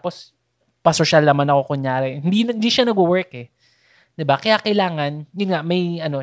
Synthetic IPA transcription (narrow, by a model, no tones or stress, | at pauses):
apo̞s | pɐsoʃalnɐmanɐko̞kʊŋjaːɾɛhɪnd̪iɪnd̪iːʃanɐɡʊwɛɹkɛ | d̪̥ɪbakɐjakɐjlaːŋɐnjʊnŋaʔmɐjɐno